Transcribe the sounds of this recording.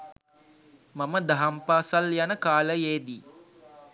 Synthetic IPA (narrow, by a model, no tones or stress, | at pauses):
maməd̪aɦampaːsaljanəkaːləjeːd̪i